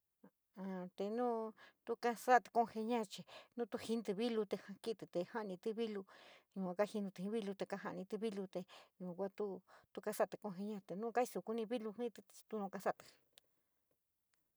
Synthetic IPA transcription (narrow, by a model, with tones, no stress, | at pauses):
a˧˨t̪e˧nũ˦t̪u˦˧ka˧sa˦t̪e̥˧ko˧he˧ɲã˦˧t͡ʃi˨nũ˦t̪u˧hi˧˦nt̪i˧βi˦lu˧t̪e˧ha˧ki˦t̪i˨t̪e˧ha˦ʔnĩ˧t̪i˧βi˦lu˧ɲũ˧a˧ka˦hi˧nũ˧t̪i˧ĩ˧˦βi˦lu˧t̪e˧ka˧˦ɦã˧ʔnĩ˧t̪i˧βi˦lu˧t̪e˧ɲũ˧kʷa˦t̪u˦t̪u˧ka˧sa˦˨t̪e̥˨˧ko˧ɦe˧ɲã˧t̪e˨nũː˦ka˦i˧su˧ku˧nĩ˧βi˦lu˧hĩ˦t̪e˧t̪u˧nõ˧ka˧sa˦t̪ɨ̥˨